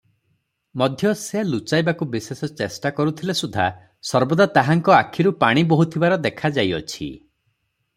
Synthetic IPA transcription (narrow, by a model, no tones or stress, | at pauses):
mɔd̪ʱjɔsejalut͡ʃajbakubisesɔt͡ʃesʈakɔɾut̪ʰilesud̪ʱa̰ | sɔɾbɔd̪at̪aɦaŋkɔakʰiɾupaɽ̃ibɔɦut̪ʰibaɾɔd̪ekʰad͡ʒajɔt͡ʃʰḭ